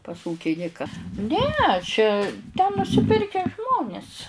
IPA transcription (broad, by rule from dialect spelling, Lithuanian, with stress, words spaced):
pɐs ˈuːkʲɪnʲɪkɐ ˈnʲɛ t͡ʃʲɛ tʲɛn nʊsʲɪˈpʲɪrʲkʲɛ ˈʒmoːnʲɪs